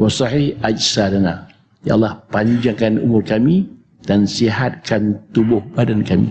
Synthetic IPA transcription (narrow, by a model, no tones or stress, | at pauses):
wɑsɑhihad͡ʒsadana | ja̰ʔlahpaɲd͡ʒaŋkanṵmʊrkamĩ | d̥ansiɦat̪̚kʰant̪ubʊhb̥adankamḭ